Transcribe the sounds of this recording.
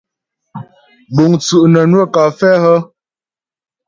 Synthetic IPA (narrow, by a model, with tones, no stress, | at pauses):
bo˨ŋt͡su˨ʔnə˨nwə˦ka˨fɛ˦hə˦